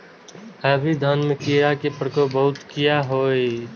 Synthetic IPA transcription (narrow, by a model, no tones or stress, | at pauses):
ɛbʱid̪ʱaːnmekiɾakepɾəkobəɦʊt̪kijaɦoːe